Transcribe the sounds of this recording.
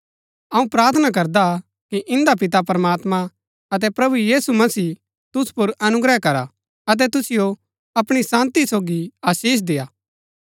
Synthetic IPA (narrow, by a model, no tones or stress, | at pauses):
ɐũpɾaːɾt̪ʰənak̬ɐɾd̪a | kiʔɪ̃nd̪ap̬ɪt̪̬ap̬ɾɐmaːt̪mã | ɐt̪̬ɛpɾɐbujiːsumɐsiː | t̪ʊspoɾɐnʊɡɾɛɦkɐɾa | ɐt̪̬ɛt̪ʊsɪjo | ɐpɽ̃isãːnt̪isoːɡiaːsiːs̬d̪eːaː